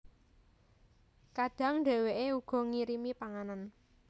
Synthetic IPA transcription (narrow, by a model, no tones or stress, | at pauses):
kaɖ̥a̤ŋnɖɛ̤weʔeuɡ̥ɔ̤ŋiɾimipaŋanan